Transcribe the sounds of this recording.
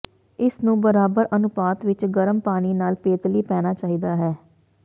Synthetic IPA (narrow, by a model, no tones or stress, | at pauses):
ɪsnũːbəɾaːbəɾʔənʊpaːt̪ʋɪt͡ʃɡəɾəmpaːɽ̃iːnaːlpeːt̪liːpɛːnaːt͡ʃaːɦiːd̪aːɦɛː